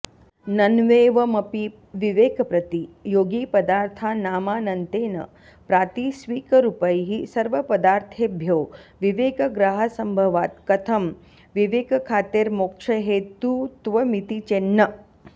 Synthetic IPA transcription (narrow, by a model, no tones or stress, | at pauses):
nɐnʋeːʋɐmɐpi | ʋiʋeːkɐpɾɐt̪ijoːɡiːpɐd̪aːɾt̪ʰaːnaːmaːnɐnt̪eːnɐ̰ | pɾaːt̪isʋiːkɐɾupɐjɦisɐɾʋɐpɐd̪aːɾt̪ʰeːbʱjoːʋiʋeːkɐɡɾaːɦɐsɐmbʱɐʋaːt̪kɐt̪ʰɐm | ʋiʋeːkɐkʰaːt̪eːɾmokʂɐɦeːt̪ut̪ʋɐmit̪it͡ʃenːɐ